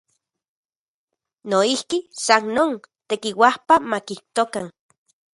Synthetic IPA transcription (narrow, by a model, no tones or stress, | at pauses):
noihkisannoːnt̪ekiwahpamakiht̪okan